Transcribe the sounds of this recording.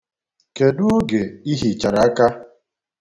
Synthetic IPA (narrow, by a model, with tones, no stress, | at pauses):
ke˨dʊ˦o˦ɡe˨i˦ɦi˨t͡ʃa˨ɾa˨a˦ka˦